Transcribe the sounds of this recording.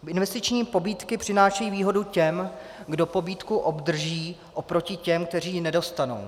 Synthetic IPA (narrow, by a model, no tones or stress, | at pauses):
ɪnvɛst̪ɪt͡ʃɲiːpo̞biːt̪kɪpr̝̥ɪnaːʃɛjiːviːɦo̞ducɛmɡdo̞po̞biːt̪kuʔo̞bd̪r̩ʒiːʔopɾo̞cɪcɛmk̚t̪ɛr̝iːnɛdo̞st̪ano̞̰w